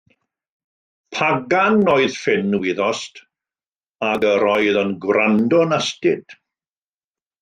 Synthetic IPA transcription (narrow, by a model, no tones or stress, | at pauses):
pʰaɡanːoɨðfɪnːwɪðɔst | aɡəɾɔjðənɡwrandɔnastɪd̥